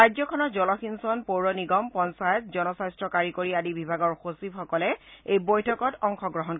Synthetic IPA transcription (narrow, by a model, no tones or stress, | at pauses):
ajzɔkʰɔnɔɹzɔlɔxinsɔnpowɹɔniɡɔmpɔnsajɔt̚zɔnɔsajstɹɔkaɹikoɹiadibibʱaɡɔɹxosibxɔkɔlɛejbɔjtʰɔkɔtɔŋxɔɡɹɔɦɔn